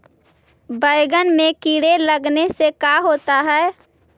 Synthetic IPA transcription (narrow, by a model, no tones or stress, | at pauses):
bəɪɡənmẽkiːɽeləɡnesekaɦoːt̪aɦɛː